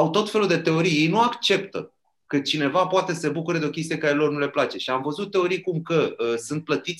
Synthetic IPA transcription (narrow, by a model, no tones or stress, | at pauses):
awt̪o̞t̪fe̞lud̪e̞t̪e̞o̞ɾijjejnuakt͡ʃe̞pt̪ə̰ | kət͡ʃine̞vapoat̪ese̞bukuɾəd̪eo̞kʲe̞s̬t̪ijekaɾelo̞rnule̞plat͡ʃe̞ʃiamvəzut̪̚ːe̞o̞ɾijkumkəəsɨnt̪̚plət̪it̪sʲ